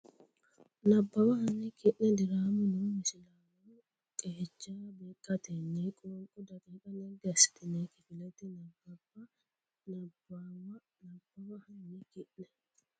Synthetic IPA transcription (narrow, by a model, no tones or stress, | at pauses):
nɐbːɐbɐhɐnːɪkɪʔnɛd̪ɪɾaːmʊnʊmɪsɪlaːwʊ | kʼeːt͡ʃːaːbeːkʼːɐt̪ɛnːɛkʼɔɔŋkʼɔd̪ɐkʼekʼɐnɛɡɐsɪ̥t̪ɪnekɪfɪlɛt̪ɪnɐbːɐbːɐ | nɐbːaːwɐ | nɐbːɐwɐhɐnːɪkɪʔnɛ